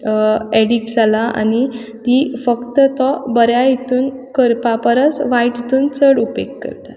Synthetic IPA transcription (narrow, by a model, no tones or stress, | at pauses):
ɛɽiksalaʔa̰ñi | t̪ifəkt̪ət̪ɔbəɾjait̪uːnkəɾpapəɾət͡sʋaiʈit̪uːnt͡səɽupḛkːə̰ɾt̪a